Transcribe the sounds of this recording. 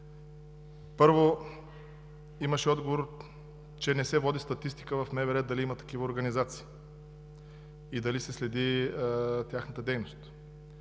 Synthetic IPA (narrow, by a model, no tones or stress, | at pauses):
pɤɾvo | iməʃɛɔd̪ɡovoɾ | t͡ʃɛnɛsɛvɔd̪ʲist̪ɐt̪ist̪i̥kəvɐfmɛvɛɾɛt̪̚d̪ɐliimət̪ɐ̥kivəoɾɡɐnizat̪si̥ː | id̪ɐlisɛslɛd̪i | t̪ʲjaxnət̪əd̪ɛjnost̪